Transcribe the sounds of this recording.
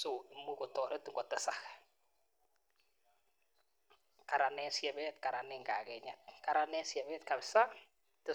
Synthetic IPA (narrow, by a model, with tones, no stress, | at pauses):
so˨i˨mu˦ko˨tɔ˨ɾe˦ti˦ŋɡɔ˨tɛ˦sax | ka˨ɾa˨nɛ˦sjɛ˨bɛ˦tka˨ɾa˨nɛ˦ŋɡa̰˨kɛ˨ɲa˨t̚ka˨ɾa˨nɛ˦sjɛ˨βɛ˦t̚ka˨bɪ˨sa˦ | tɪ˦